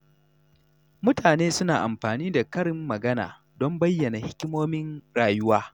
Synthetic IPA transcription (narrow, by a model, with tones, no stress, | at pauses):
mʊ˦taː˨neː˦sʊ˦naː˨ʔa̰˨mɸaː˨niː˦da˨kɐ˦ɽɪ˦mːɐ˨ɡɐ˦na̰ː˨ | dɔ˦mbɐ˦jːɐ˨na˨hɪ˦kʲɪ˦moː˦mɪ˦nɽaː˨jʊ˦waː˦